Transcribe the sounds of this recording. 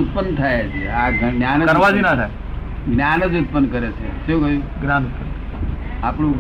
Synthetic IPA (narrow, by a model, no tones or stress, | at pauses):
ut̪̚pənt̪ʰajet͡ʃʰḛaɡnjanəəɾʋad͡ʒinat̪ʰa | ɡnjanəd͡ʒut̪̚pənkəɾet͡ʃʰḛʃũkəũɡɾanut̪ə | apɳũ